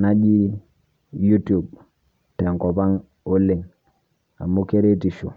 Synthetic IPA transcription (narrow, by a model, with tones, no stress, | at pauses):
na˦d͡ʒi˦ | ju˦tu˨b | tɛ˨ŋkɔ˨pa˦ŋ | o˦le˨ŋ | a̰˨mu˦ke˦ɾe˦ti˨ʃo˨